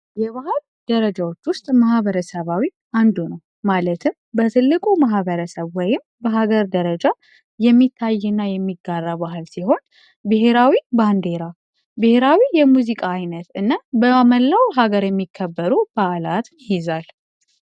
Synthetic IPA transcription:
jɛβahɨl | d̪̥əɾəd͡ʒawo̞t͡ʃːwʊst̪ʼmahβəɾəsəβawi | and̪unəw | malət̪ʰɨm | bət̪ʰɨlːɨkʼumaɦbəɾəsəβwɔjɪmbəɦaɡəɾd̪əɾəd͡ʒa | jɛmːit̪ʰːajːɛnːajɛmːiɡarːabaɦɨlsiho̞n | bɨɦeɾawiband̪e̞ɾa | bɨhe̞ɾawijɛmuzikʼaːjnət̪ɨnːabəməlːawɦaɡəɾjɛmːikʰːəbːəɾub̥aʔlat̪ʰnhɪzal

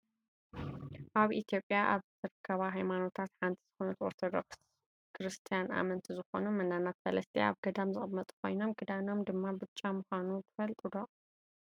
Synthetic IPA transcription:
ʔaβʔit̪jo̞pʼjaʔaβzɨɾɨkʰːɐβaɦajmano̞t̪ʰat̪ħant̪ʰi̥z̥ɨxonɐt̪o̰ɾt̪ʰod̪o̰ks | kʰɨɾɨst̪ʰijana̰mɐnt̪ʰizɨxo̞numɐnːanat̪sɐ̰lɐst̪ʰḛa̰βɡɐd̪amzɨχʼɨmːɐt̪ʼkʰo̞̰jno̞mkʰɨd̪ano̞md̪ɨmːabɨt͡ʃʼːamuxanub̪ɨfɐlt̪ʼɨd̪o̞

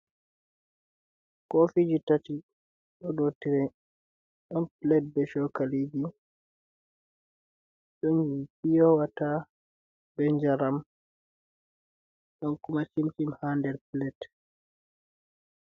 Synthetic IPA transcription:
kɔfid͡ʒitati | ɗɔɗotiɾɛ | ɗɔnplɛt̚bɛʃɔkalid͡ʒi | ɗɔnɡipijɔwata | bɛɲd͡ʒaɾam | ɗɔnkumasimt͡ʃimhandɛɾplɛt

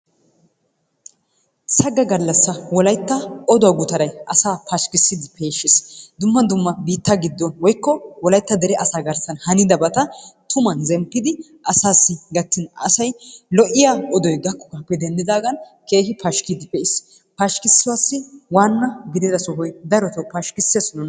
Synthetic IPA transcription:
sɐɡɐɡɐlːɐsːɐwɔlɐjt̪ːɐɔd̪ɔwaɡʊt̪ɐɾɐjʔɐsaːpɐʃkɪsːɪd̪ɪpʰe̞ːʃːɪsd̪ʊmːɐd̪ʊmːɐbiːt̪ːaɡɪd̪ːɔnwɔjkːɔwɔlɐjt̪ːɐd̪ɛɾɛʔɐsaːɡɐɾsɐnhɐnɪd̪ɐbɐt̪ɐt̪ʊmɐnzɛmpːɪd̪ɪ | ʔɐsaːsːɪɡɐt̪ːɪnɐ̰sɐjlɔʔɪjaːɔd̪ɔjɡɐkːɔ̥kaːpːɛd̪ɛnd̪ɪd̪aːɡɐnke̞ːhɪpɐʃkid̪ɪpɛʔɪs | pɐʃkɪsːɪwaːsːɪwaːnːɐɡɪd̪ɪd̪ɐsɔɦɔjd̪ɐɾɔt̪ɔwpɐʃkɪsːeːsnʊn

